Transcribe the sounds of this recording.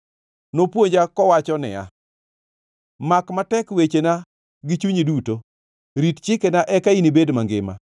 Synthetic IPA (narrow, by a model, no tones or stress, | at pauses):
nopwoɲd͡ʒakɔwat͡ʃɔnɪ̰a̰ | makmatɛkwet͡ʃena | ɡɪt͡ʃuɲiduto | ɾitt͡ʃɪkenaʔɛkainibedmaŋɡɪ̰ma̰